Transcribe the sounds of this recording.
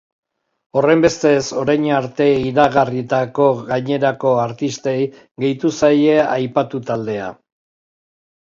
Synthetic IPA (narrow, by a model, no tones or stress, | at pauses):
o̞re̞mbe̞st̪e̞so̞ɾajɲaɾt̪e̞iɾaɣarit̪ako̞ɣaɲe̞ɾako̞aɾt̪ist̪e̞j | ɣe̞jt̪usaje̞ajpat̪ut̪ald̪e̞a̰